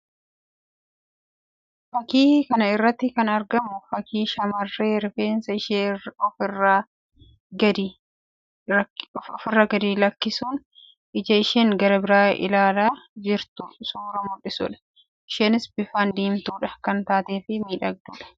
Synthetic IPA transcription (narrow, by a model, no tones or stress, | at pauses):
fɐkiːkɐnɐɪrːɐt̪ːɪkɐnɐɾɡɐmʊfɐkʰiːʃɐmɐrːeːɾɪfeːnsɐɪʃeːɔfɪrːaː | ɡɐd̪i | ɔfɪrːɐɡɐd̪iːlɐkːɪsuːn | ʔɪd͡ʒɐɪʃeːŋɡɐɾɐbɪɾaːʔɪ̰laːlaːd͡ʒɪɾt̪ʊsuːɾɐmʊᶑɪsʊᶑɐ̥ | ʔɪʃeːnɪsbɪfand̪iːmt̪uːᶑɐ̥kɐnt̪aːt̪eːfɪmiːᶑɐɡ̚d̪uːᶑɐ̥